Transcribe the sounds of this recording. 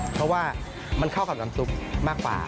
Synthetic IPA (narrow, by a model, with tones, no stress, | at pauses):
pʰɾɔ˦˥waː˥˩ | ma˧nkʰa˥˩wka˨˩naː˨˩˦msu˨˩k̚maː˥˩kwa̰ː˨˩